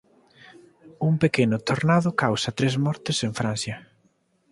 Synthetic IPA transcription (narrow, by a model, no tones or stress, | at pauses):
uŋpekenʊt̪oɾnaðʊkawsɐt̪ɾezmɔɾt̪ɪseɱfɾan̟θjɐ